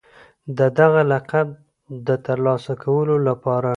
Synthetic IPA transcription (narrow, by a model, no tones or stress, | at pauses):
d̪əd̪aɣalaqab̚ | d̪ət̪aɾlɑsakʰawəlolapɑɾa